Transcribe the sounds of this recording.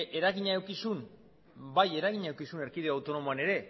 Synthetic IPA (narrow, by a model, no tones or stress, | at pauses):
ʔe̞ɾaɣiɲaewkisun | baje̞ɾaɣiɲaewkisune̞ɾkiðeawt̪o̞no̞moane̞ɾe̞